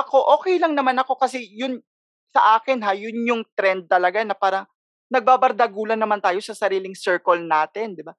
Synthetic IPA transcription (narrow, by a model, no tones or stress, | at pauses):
ʔɐko̞ʔo̞ːkɛjlɐŋnɐmanɐko̞kɐsɛjʊn | sɐ̰ʔaːkɛnɦajʊnjʊŋt̪ɾɛnd̪̚t̪ɐlɐɡanɐpaːɾɐŋ | nɐɡ̚baːbɐɾd̪ɐɡuːlɐnɐmant̪aːjo̞sɐsɐɾiːlɪŋsɛɹkolnaːt̪ɛnd̪ɪba